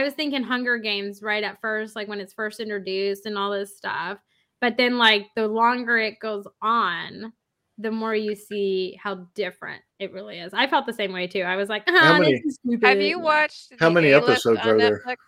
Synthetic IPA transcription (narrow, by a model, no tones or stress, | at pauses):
aɪwʌz̥θɪ̃ŋkɪ̃ŋɦʌ̃ŋɡə˞ɡẽɪ̃mzɹaɪɾɨtfɜ˞st̚laɪkwɨ̃nɨtsfɜ˞stɪ̃nt͡ʃɹ̥ɨdʉstɨ̃nɔlˠðɪstʌ̰f | b̥ʌt̪̚ðɨ̃nlaɪk̚ðɨlɔ̃ŋɡə˞ɪt̚ɡ̥oʊzn̩ | ðɨmɔɹjɨsihaʊdɪfɹɨ̰̃nt̚ɨt̚ɹɪlˠiɪzaɪfɛlˠt̪̚ðɨsẽɪ̃mweɪtʰʉaɪwʌzlaɪkʌhaʊmɛ̃iɨzipjɨwɑt͡ʃhaʊmɛñiɛpɨsoʊdzoðə˞